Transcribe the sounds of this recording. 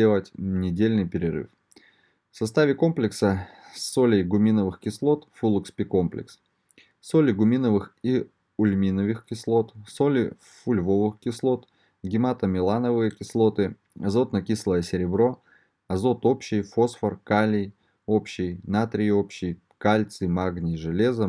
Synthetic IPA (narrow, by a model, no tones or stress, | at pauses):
elˠətʲnʲɪdʲelʲnɨjpʲɪɾʲɪɾɨ̰f | fsɐst̪avʲɪko̞mplʲɪksəsːolʲɪjɡʊmʲinəvɨxkʲɪslˠo̞t̪fulˠʊkspʲɪko̞mplʲɪ̰ks | solʲɪɡʊmʲinəvɨxi | ʊlʲmʲinəvɨxkʲɪslˠo̞t̪so̞lʲɪ | fʊlʲvovɨxkʲɪslˠo̞t̪ | ɡʲɪmat̪əmʲɪlˠanəvɨjəkʲɪslˠo̞t̪ɨ | ɐzo̞t̪nɐkʲislˠəjəsʲɪɾʲɪbɾo̞ | ɐzo̞t̪o̞pɕɪjfo̞sfərkalʲɪj | o̞pɕːɪjnat̪ɾʲɪopɕːɪj | kalʲt̪sɨmaɡnʲɪʐɨlʲezə